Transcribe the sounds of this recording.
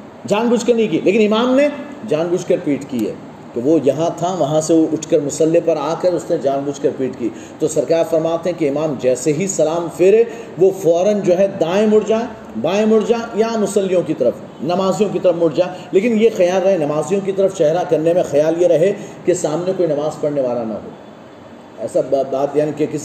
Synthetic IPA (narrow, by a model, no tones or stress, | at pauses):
d͡ʒaːnbʊd͡ʒkɐɾnĩk̬ileːkɪnɪmaːmne | d͡ʒaːnbʊd͡ʒkɐɾpiːʈkiɛ̰ | keʋojɐɦãt̪ʰaʋɐɦãseoʔʊʈʰkɐɾmʊsəlːepɐɾaːkɐɾʊsned͡ʒaːnbʊd͡ʒkɐɾpiːʈki | t̪osɐɾkaːɾfɐɾmaːt̪eɦɛ̃keɪmaːmd͡ʒɛːseɦisɐlaːmfɪɾe | ʋofɔːɾənd͡ʒoːɦɛd̪aːẽmʊɽd͡ʒaː | b̪aːẽmʊɽd͡ʒajamʊsəlːijõkit̪ɐɾəf | nɐmaːzijõkit̪ɐɾəfmʊɽd͡ʒaː | leːkɪnjexɐjaːlːɐɦenɐmaːzijõkit̪ɐɾəft͡ʃɛɦɾakɐɾnemẽxɐjaːljeɾɐɦekesaːmnekoːinɐmaːzpɐɽneʋaːlanɐ̰ɦo̰ː | ɛːsabbaːt̪jaːnikekɪs